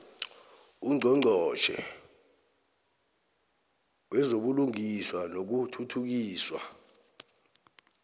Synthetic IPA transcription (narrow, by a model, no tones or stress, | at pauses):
uŋ͡ǀʱɔŋ͡ǀʱɔt͡ʃʰɛ̰ | wɛzoɓuluŋiswanok̬utʰutʰuk̬iːswa̰